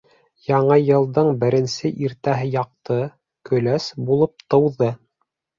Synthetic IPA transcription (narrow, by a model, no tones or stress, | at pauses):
jɑɴɤjɤ̆lˠd̪ɤɴbɘ̆ɾɘ̆nsɘʔiɾt̪æɦɘjɑq̚t̪ɤ | kɵ̆læsbulˠɤp̚t̪ɤ̆wðɤ